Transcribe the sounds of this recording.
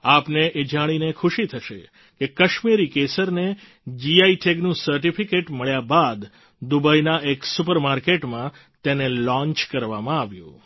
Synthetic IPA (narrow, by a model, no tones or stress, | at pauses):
apneʔed͡ʒaɽ̃inekʰʊʃit̪ʰəʃḛ | kekəʃmiɾikesəɾne | d͡ʒiaiʈʰeɡnũsəɾʈ̬ifʰikeʈməɭjabad̪ | d̪ubajnaʔeksupəɾmaɾkeʈmã | t̪enelɔ̃ɲt͡ʃkəɾʋamãaʋjṵ̃